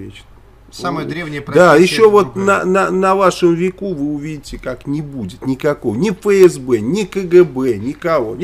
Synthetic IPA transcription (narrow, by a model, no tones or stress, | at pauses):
ḛt͡ɕnə | samɨjd̪ɾʲevnʲɪjəd̪ajɪɕːovo̞tt̪̚nɐnɐnɐvaʂɨmvʲɪkuvɨʊvʲidʲɪtʲɪkaknʲɪbudʲɪt̪nʲɪkɐkovənʲɪfəɛzbɛnʲɪkəɡɛbɛnʲɪkɐvo̰